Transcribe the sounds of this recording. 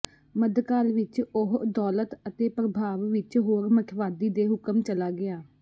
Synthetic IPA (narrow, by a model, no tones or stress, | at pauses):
məd̪kaːlʋɪt͡ʃʊɦd̪ɔːlət̪ət̪eːpɾəbʱaːʋʋɪt͡ʃɦoːɾməkʰʋaːd̪iːd̪eːɦʊkəmt͡ʃəlaːɡɪaː